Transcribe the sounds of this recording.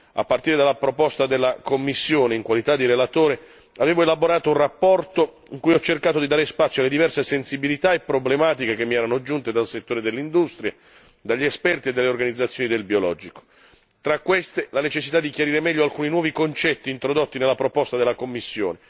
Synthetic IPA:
a̰pːart̪iːɾed̪alːapɾopɔst̪ad̪elːakomːisːjoːneiŋkwalit̪ad̪ːiɾelat̪oːɾe | aveːvoelaboɾaːt̪ounrapːɔrt̪o | iŋkujɔt͡ʃːerkaːt̪od̪id̪aːɾespat̪sːjoaled̪ivɛrsesensibilit̪aepːɾoblemaːt̪̬ikek̟emːiɛːɾanod͡ʒunt̪ed̪alset̪ːoːɾed̪elːind̪ust̪ɾja | d̪aʎːiɛspɛrt̪ied̪ːelːeorɡanid̪zːat̪sjoːnid̪elbiolɔd͡ʒiko̥ | t̪ɾakːwest̪elanet͡ʃesːit̪ad̪ːik̟jaɾiːɾemɛʎːoalkuːninwɔːvikont͡ʃɛt̪ːiːnt̪ɾod̪ot̪ːinelːapɾopɔst̪ad̪elːakomːisːjo̰ːne

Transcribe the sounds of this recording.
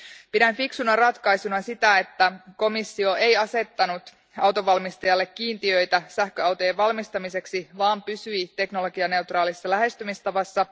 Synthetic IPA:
pidænfiksunɑrɑt̪kɑjsunɑsit̪æe̞t̪ːæko̞misːio̞e̞jɑse̞t̪ːɑnut̪ | ɑwt̪o̞ʋɑlmist̪ɑjɑlːe̞kːiːnt̪iø̞jt̪æsæhkøɑwt̪o̞jeʋʋɑlmist̪ɑmise̞ksiʋɑːmpysyit̪e̞kno̞lo̞ɡiɑne̞ut̪rɑːlisːɑlæɦe̞st̪ymist̪ɑʋɑsːɑ

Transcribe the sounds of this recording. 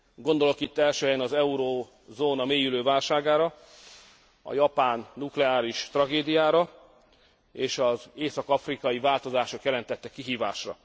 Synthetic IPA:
ɡo̞nd̪o̞lo̞kit̪ːɛlʃøːɦɛjɛnɒzɛuɾoː | zoːnɒmeːjyløːvaːlʃaːɡaːɾɒ | ɒ̰jɒpaːnːuklɛaːɾiʃt̪rɒɡeːd̪ijaːɾɒ | eːʃɒzeːsɒkɒfrikɒjivaːlt̪o̞zaːʃo̞kjɛlɛnt̪ɛt̪ːɛkːiɦiːva̰ːʃrɒ̰

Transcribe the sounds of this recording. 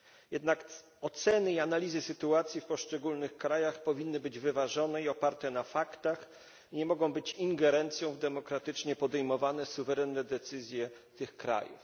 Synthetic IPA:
jɛd̪nak | ɔt̪sɛnɘianalʲizɘsɘt̪uat̪sʲjifpɔʂt͡ʂɛɡulnɘxkɾajaxpɔvʲinːɘbɘd͡ʑvɘvaʐɔnɛiɔpaɾt̪ɛnafakt̪ax | ɲɛmɔɡɔ̃w̃bɘt͡ɕiŋɡɛɾɛnt̪sʲjɔ̃w̃vd̪ɛmɔkɾat̪ɘt͡ʂɲɛpɔd̪ɛjmɔvanɛsuvɛɾɛnːɛd̪ɛt̪sɘzʲjɛ | t̪ɘxkɾa̰jṵf

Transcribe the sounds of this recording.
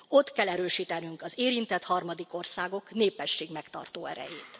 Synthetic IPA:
o̞t̪kɛlːɛɾøːʃiːt̪ɛnyŋkɒzeːɾint̪ɛt̪hɒrmɒd̪iko̞rsaːɡo̞kneːpːɛʃːeːɡmɛkt̪ɒ̰rt̪oːɛ̰ɾɛ̰jeːt̪

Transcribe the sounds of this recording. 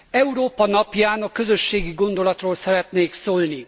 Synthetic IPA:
ɛuɾoːpɒnɒpjaːnɒkø̞zø̞ʃːeːɡiɡo̞nd̪o̞lɒt̪roːlsɛɾɛt̪neːksoːlni

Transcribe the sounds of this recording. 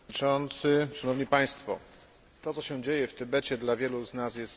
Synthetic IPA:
t͡ʂɔnt̪sɘʂanɔvɲipaj̃st̪fɔ̰ | t̪ɔt̪sɔɕɛ̃d͡ʑejɛft̪ɘbɛt͡ɕɛd̪lavʲjɛluznasjɛst̪

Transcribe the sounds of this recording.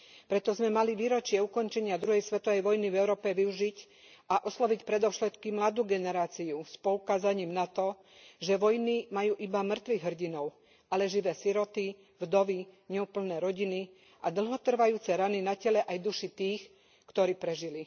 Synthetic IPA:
pɾɛt̪ɔzmɛmaliʋiːɾɔt͡ʃɪɛukɔnt͡ʃɛɲɪad̪ɾuɦɛjsʋɛt̪ɔʋɛjʋɔjnivɛʊɾɔːpɛʋiuʒic | aʔɔslɔʋicpɾɛd̪ɔʊʃɛt̪kimlad̪uːɡɛnɛɾaːt͡siuspɔukaːzaɲiːmnat̪ɔ | ʒɛʋɔjnimajuːʔibamr̩t̪ʋiɣɦr̩ɟinɔʊ | alɛʒiʋɛːsiɾɔt̪i | vd̪ɔʋiɲɛupl̩nɛːɾɔɟini | ʔad̪l̩ˠɦɔt̪r̩ʋajuːt͡sɛɾaninacɛlɛʔajd̪uʃit̪iːx | kt̪ɔɾiːpɾɛʒili

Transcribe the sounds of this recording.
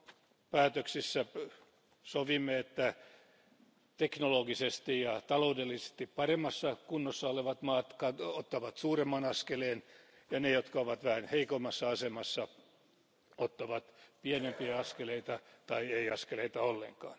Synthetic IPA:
pæːt̪øksisːæ | soʋimːeet̪ːæ | t̪eknoloɡisest̪ijɑt̪ɑloudelːise̥st̪ippɑremːɑsːɑkunːosːɑoleʋɑt̪mɑːt̪kɑot̪ːɑʋɑt̪suːremːɑnɑskeleːn | jɑnejot̪kɑoʋɑt̪ʋæhænheikomːɑsːɑɑsemɑsːɑ | ot̪ːɑʋɑt̪pienempiæɑskeleit̪ɑt̪ɑieiɑskeleit̪ɑolːḛŋkɑ̰ːn

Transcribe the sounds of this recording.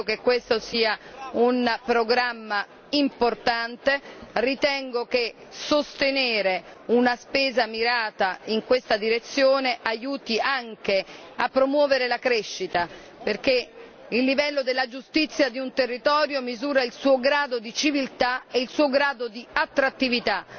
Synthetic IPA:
okekːwest̪osiːaunpɾoɡɾamːa | import̪ant̪erit̪ɛŋɡok̟e | sost̪eneːɾeunaspeːzamiɾaːt̪aiŋkwest̪ad̪iɾet̪sːjoːneʔajuːt̪iʔaŋk̟eapːɾomwɔːveɾelakɾɛʃːit̪a | perk̟e | ilːivɛlːod̪elːad͡ʒust̪it̪sːjad̪iunt̪erːit̪ɔːɾjomizuːɾailsuːoɡɾaːd̪od̪it͡ʃivilt̪aeilsuːoɡɾaːd̪od̪iat̪ːɾat̪ːivit̪a

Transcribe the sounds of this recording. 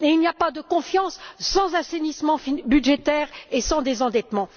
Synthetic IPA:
eilnijapad̪əkɔ̃fjɑ̃sːɑ̃zɛ̃senismɑ̃fibyd̪ʒet̪ɛʁesɑ̃d̪ezɑ̃d̪ɛt̪mɑ̃

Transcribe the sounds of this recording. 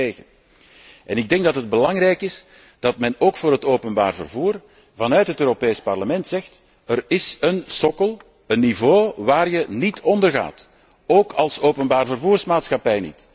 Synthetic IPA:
eːɣən | ʔɛnɪɡ̚dɛŋɡ̚dɑtəd̚bəlɑŋrɛjkɪs | d̥ɑtmɛnoːkfʊːɾɦətoːpənba̰ːrvə̰rvuːr | vɑnœɥtɦətøːɾopeːspɑrləmɛntsɛxt | ərɪsənsɔkəlˠ | ənːivoːʋaːrjənitʰɔndərɣa̰ːt | oːkɑlˠsoːpənbaːrvərvuːrsmaːtsxɑpɛjnḭt

